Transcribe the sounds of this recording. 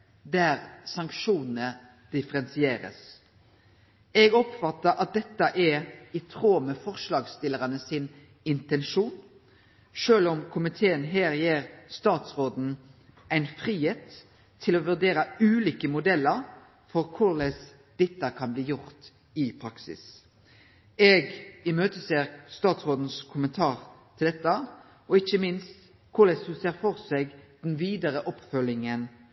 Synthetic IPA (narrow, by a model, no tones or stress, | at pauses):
d̪æːɾsɑŋkʃuːnn̩ə | d̪̥ɪfəɾɛnsɪeːɾə̰s | ɛɡɔpfɑt̪ːəɾʔɑt̪̚d̪ɛt̪ːəʔɛɪt̪ʰʁoːməfɔʁʂlɑːɡst̪ɪləʁɑnəsɪn | ɪnt̪ɛnʃuːn | ʂøːlɔmkʰʊmɪt̪ʰeːənɦæːɾjeːʁst̪ɑːt̪sʁoːd̪n̩ | ʔæɪnfʁiːheːt̪ʰː | ɪlɔʋʉʁd̪eːɾəʉːliːkəmʊd̪ɛlːəɾ | fɔʁkʰʊʁlɛs | d̪̥ɛt̪ːəkʰɑnbliːjʊʁt̪ | ɪpʰɾɑksɪ̰s | ɛːɡɪmøːt̪əseːʁst̪ɑːt̪sʁoːd̪n̩skʰʊmənt̪ʰɑːʁt̪ʰɪld̪ɛt̪ːə | ɔɪçəmɪnst̪ | kʰʊlɛshʉseːɾfɔʁsɛɡd̪̥ɛnʋiːd̪əɾəʔɔpfœlɪŋən